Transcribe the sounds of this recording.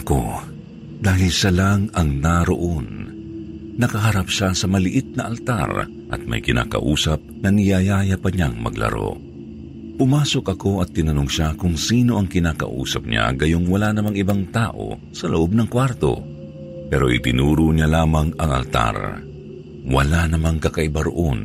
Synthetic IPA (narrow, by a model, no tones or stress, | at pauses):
ɐko̰ | d̪aːɦɪlʃalaŋɐŋnaɾoʔon | nɐkɐɦɐɾapʃasɐmɐlɪʔɪt̪̚nɐʔɐlt̪a̰ɾ | ʔɐ̰t̪̚ma̰jkɪna̰ːkɐ̰ʔuːsɐp̚ŋɐnɪjajaːjapɐɲaŋmɐ̰ɡlɐ̰ɾo̞̰ | pʊmaːso̞kʔɐko̞ɐt̪ːɪnɐnoŋʃakʊŋsiːno̞ʔɐŋkɪnaːkɐ̰ʔṵːsɐp̚ɲa̰ɡɐjoŋwɐlanɐmaŋɪbaŋt̪aːʔo̞̰ | sɐloʔob̚nɐŋkwaɾt̪o̞̰ | pɛːɾo̞ʔɪt̪ɪnuːɾʊɲalaːmɐŋɐŋɐ̰lt̪a̰ɾ | wɐ̰lanɐmaŋkɐkɐʔɪbaɾo̰ʔon